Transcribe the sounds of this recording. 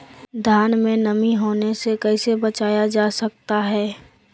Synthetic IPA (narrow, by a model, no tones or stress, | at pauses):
d̪ʱaːnmẽnəmiɦoːnesekɛɪsebət͡ʃaːjad͡ʒaːsɐk̚t̪aɦɛː